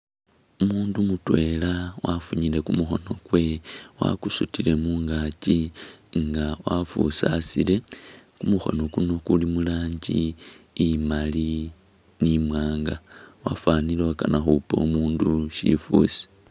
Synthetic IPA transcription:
umuːndumutwe̞lawafuɲile̞kumuxo̞no̞kwe̞wa̰kusutile̞muːŋɡaciŋɡawafṵsa̰sile̞kumuxo̞̰no̞kuno̞kulimulaːɲɟiː | mali | nimwaːŋɡawa̰fanileakanaxupo̰umuːnduʃḭfṵsi̥

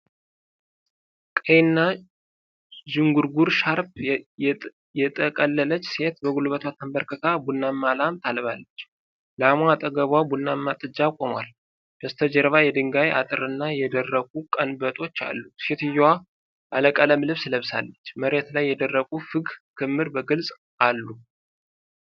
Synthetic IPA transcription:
kʼəjnːa | d͡ʒɪŋɡuɾɡuɾʃaɾp | jɛt̪ʼəkʼəlːələt͡ʃːse̞t̪bəɡulβət̪ʰwat̪ʰːəmbəɾkʰək̪ʰabunːamːalamt̪ʰalβalːət͡ʃː | lamat̪ʼəɡəβabunːamːat̪ʼɨd͡ʒːakʼoma̰l | b̥əst̪ʰəd͡ʒəɾβajɛd̪ɨŋɡajʔat̪ʼɨɾɨnːajɛd̪ərːəɡʼukʼənbət̪ʼo̞t͡ʃːa̰lːuse̞t̪ɨjːwa | ʔaləkʼələmlɨβsləβsa̰lːət͡ʃːməɾe̞t̪lajːɛd̪ərːəkʼufɨɡkʰɨmːɨɾbəɡɨlsʼ | alːu

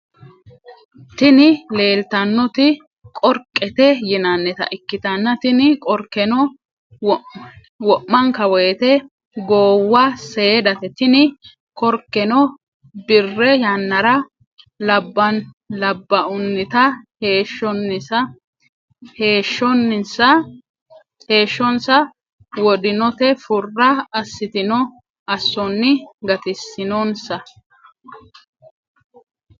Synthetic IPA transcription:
t̪ɪnɪle̞ːlt̪ɐnːɔt̪ɪ | kʼɔɾkʼːɛt̪ɛjɪnɐnːɛt̪ɐ̰ʔɪkːɪt̪ɐnːɐt̪ɪnɪkʼɔɾkːɛnɔ | wɔʔːɐŋkɐwɔjɛt̪ɛ | ɡoːwːɐseːd̪ɐt̪ɛt̪ɪnɪ | kɔɾkːɛnɔ | bɪrːɛjɐnːɐɾɐ | lɐbːɐn | lɐbːɐʊnːɪt̪ɐhe̞ːʃːɔnːɪsɐ | he̞ːʃːɔnːɪnsɐ | he̞ːʃːɔnsɐ | wɔd̪ɪnɔt̪ɛfʊrːɐɐsːɪt̪ɪnɔ | ɐsːɔnːɪɡɐt̪ɪsːɪnoːnsɐ

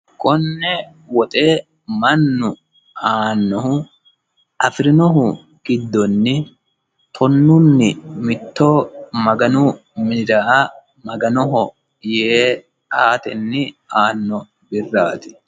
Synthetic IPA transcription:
kʰʼɔnːɛ | wɔt̪ʼeː | mɐnːʊ | aːnːɔɦʊ | ʔɐfɪɾɪnɔɦʊ | ɡ̥ɪd̪ːɔnːɪ | t̪ʰɔnːʊnːɪmɪt̪ːɔːmɐɡɐnʊmɪnɪd̪ɐʔɐ | mɐɡɐnɔɦɔ | jeː | aːt̪ɛnːɪaːnːɔ | bɪrːaːt̪ɪ̥

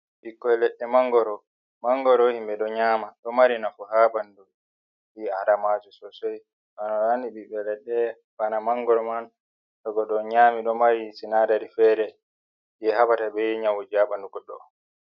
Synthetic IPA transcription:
ʔikːɔɛlɛɗːɛmaŋɡɔɾɔ | maŋɡɔɾɔhimbɛɗɔɲaːmaɗɔmaɾinafɔhabandu | ʔiaɾamatusɔsɔj | ʔanɔnandiɓiɓɛlɛɗːɛ | banamaŋɡɔɾɔman | ɗɔɡɔɗɔɲaːmiɗɔmaɾisinadaɾifɛːɾɛ | d͡ʒɛhabatabɛɲawud͡ʒabanduɡɔɗɔ̰

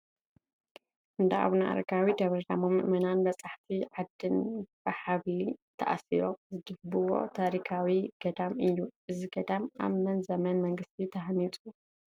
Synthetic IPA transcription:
ʔɨnd̪aʔa̰βnaʔa̰ɾɐɡʰawid̪ɐβɾɐd̪amomɨʔmɐnanbɐt͡sʼaħt̪ʰiʕad̪ːɨnbɐħaβlit̪ʰɐ̰ʔa̰sḭɾo̞zɨd̪ɨɡ̚bɨwo̞̰t̪ʰaɾikʰawiɡ̥ɐd̪amɨjːuʔɨziɡɐd̪ama̰βmɐnzɐmɐnmɐŋɡɨst̪ʰit̪ʰɐɦnit̪ʼu

